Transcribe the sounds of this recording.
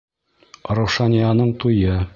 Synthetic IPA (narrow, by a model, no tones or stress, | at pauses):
ɾŏwʃɑnʲijanɤɴt̪ujɤ